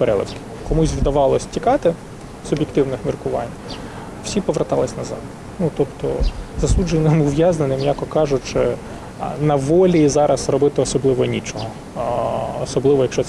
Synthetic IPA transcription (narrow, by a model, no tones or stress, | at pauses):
peɾɛ̰lˠɪ̰wkɪ̥ | kɔmusʲwd̪ɐʋɑlˠɔsʲtʲikɑt̪ɪ | sʊbʲjekt̪ɪwnɪxmʲirkʊʋɑ̰nʲ | w̥sʲipɔʋɾɐt̪ɑlˠɪsʲnɐzɑ̰d̪ | nut̪ɔpt̪ɔzɐsud͡ʒenɪmʊʋʲjɑznenɪmjɑkɔkɑʒʊt͡ʃɪ | nɐʋɔlʲizɑɾɐsrɔbɪt̪ɪɔsɔblˠɪʋɔnʲit͡ʃɔɦɔː | sɔblˠɪʋɔjɐkʃt͡ʃɔs